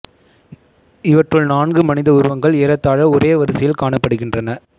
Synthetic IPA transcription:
ɪʋɐʈrɯɭnaːnɡɯmɐnɪðɐʊɾʊʋɐŋɡɐɭeːɾɐt̪ːaːɻɐɔɾeːɐʋɐɾɯsɪjɪlkaːɳɐpːɐɽɯɣɪndrɐnɐ

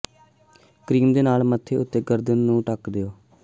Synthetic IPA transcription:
kɾiːmd̪eːnaːlmət̪ʰːeːʊt̪ːeːɡəɾd̪ənːũːʈəkd̪eoː

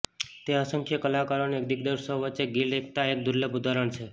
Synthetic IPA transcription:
t̪eəsəŋkʰjəkəlakəɾonekd̪ikd̪əɾsəʋət͡ʃeɡilek̚ʰt̪aek̚d̪uɾləbud̪ʱaɾəɳt͡ʃʰe

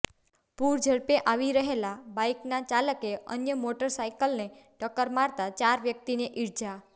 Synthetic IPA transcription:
puɾd͡ʒʱəɭpeʔaʋiɾəɦelabajknat͡ʃaləkeə̰njəmoʈəɾsaikəlne | ʈəkəɾmaɾt̪at͡ʃaɾʋjək̚t̪ineʔiɾd͡ʒa

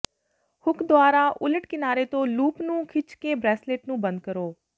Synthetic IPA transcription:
hʊkʰd̪oaːɾaːʔʊləʈkɪnaːɾeːt̪õːluːpnũːkʰɪt͡ʃkeːbɾɛːsleːʈnũːbə̃nd̪̚kəɾoː

